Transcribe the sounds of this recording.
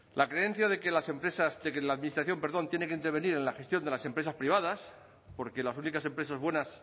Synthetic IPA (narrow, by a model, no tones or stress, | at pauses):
lʔakɾe̞e̞n̟θjaðekelasempɾesasd̪ekelaːðminist̪ɾaθjo̞mpe̞ɾðo̞nt̪je̞nekeint̪e̞ɾβe̞niɾe̞nlaxe̞st̪jo̞nd̪e̞lase̞mpɾe̞saspɾiβ̞aðas | po̞ɾke̞lasunikase̞mpɾe̞sazβwe̞nas